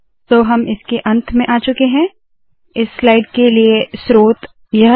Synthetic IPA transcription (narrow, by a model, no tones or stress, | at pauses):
t̪oːɦɐmɪskeʔɐ̃nt̪ʰmẽʔaːt͡ʃʊkeɦɛ̃ː | ɪsːlaːɪɖkeliesɾoːt̪ | jɐɦ